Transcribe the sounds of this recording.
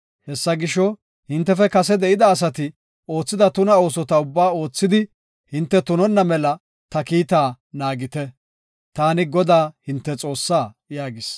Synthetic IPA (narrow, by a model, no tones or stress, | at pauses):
hɛsːɐɡɪʃɔ | hɪnt̪ːɛfɛkɐsɛd̪ɛʔɪd̪ɐːs̬ɐt̪ɪ | o̞ːt͡sːɪd̪ɐt̪ʊnɐo̞ːsɔt̪ɐʊbːaːo̞ːt͡sːɪd̪ɪ | hɪnt̪ːɛt̪ʊnɔnːɐmɛlɐ | t̪ɐkiːt̪aː | naːɡɪt̪ɛ | t̪aːnɪɡɔd̪aːhɪnt̪ːɛt͡sʼo̞ːsːaː | jaːɡɪs